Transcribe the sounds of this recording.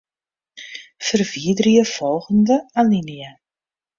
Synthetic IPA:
fərviədərəjəfɔlˠɣəndəalinija

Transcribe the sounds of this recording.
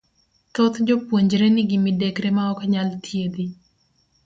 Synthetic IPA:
kot̪d͡ʒopwoɲd͡ʒɾenɪɡimɪdɛkɾemaɔkaɲalt̪ʰjed̪i

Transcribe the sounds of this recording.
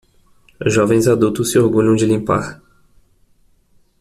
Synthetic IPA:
ʒɔvẽj̃zad̪uwt̪ʊsːɪoɾɡuʎɐ̃w̃d͡ʒɪlĩmpa̰ɾ

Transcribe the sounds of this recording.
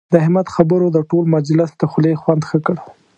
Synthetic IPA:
d̪əhɪmat̪xabəɾod̪əʈolmad͡ʒlɪsd̪əxʊlexwand̪xəkəɽ

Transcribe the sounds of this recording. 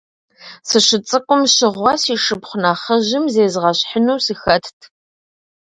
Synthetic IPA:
sɨɕɨt͡sʼɨkʷʼʊmɕɪʁʷɑsiːʂɨpχʷʊnaχɐʑɪmzeːzʁɐɕħənuwsixɐtʰtʰ

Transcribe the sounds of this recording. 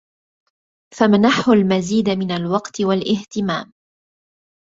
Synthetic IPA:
famnaħʊlmaziːd̪mɪnalwɑqt̪ɪwalʔɪht̪ɪma̰ːm

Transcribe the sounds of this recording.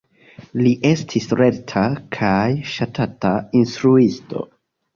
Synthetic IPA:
liʔe̞stʰisɾe̞tʰakʰajʃatʰatainstɾuisto̞̰

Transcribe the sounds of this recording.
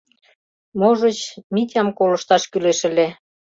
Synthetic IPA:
moʒə̆t͡ɕmit̪ʲɑmkolɤ̆ʃt̪ɑʃkyleʃə̆le

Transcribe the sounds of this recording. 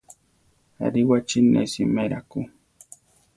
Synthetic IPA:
a̰ɾiwat͡ʃinḛsimeɾaku

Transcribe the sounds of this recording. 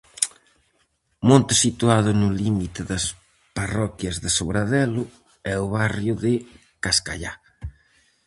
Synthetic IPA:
mõnt̪ɪsit̪uað̞ʊnʊlimit̪ɪðɐs | parɔkjɐzðɪsoβɾaðɛlʊ | ɛʊβarjʊðɪ | kaska̰ʎa

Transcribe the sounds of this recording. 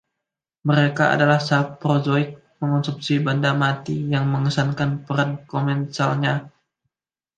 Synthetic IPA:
məɾekaa̰dalahsapɾozɔɪk̚ | məŋɔnsupsibandamat̪ijaŋməŋəsankanpəɾankomɛnsalɲa

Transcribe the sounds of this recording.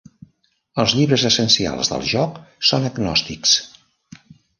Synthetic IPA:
əlˠzʎiβɾəzəsənsia̰lˠzðə̰lˠʒɔksonəɡnɔ̰st̪iks

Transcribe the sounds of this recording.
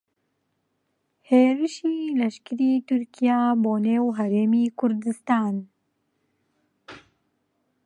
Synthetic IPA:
heːɾɨʃiːlɐʃkɨɾiːt̪ʰʊɾkijaːboːneːwɦæɾeːmiːkʰʊɾd̪ɨst̪aːn

